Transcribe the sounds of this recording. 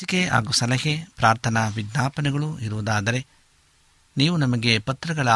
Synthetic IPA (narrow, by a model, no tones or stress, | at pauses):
ikea̰ːɡusɐlɐɦepɾaːɾt̪ʰɐnɐʋiɡ̪naːpɐnɛɡɐɭuiɾuʋɐd̪aːd̪ɐɾe̞ | niːʋunɐmɐɡe̞pɐt̪ɾɐɡɐɭɐ